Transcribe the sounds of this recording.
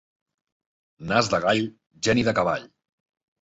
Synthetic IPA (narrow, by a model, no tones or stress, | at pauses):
nazðəɣaʎ | ʒɛniðəkaβa̰ʎ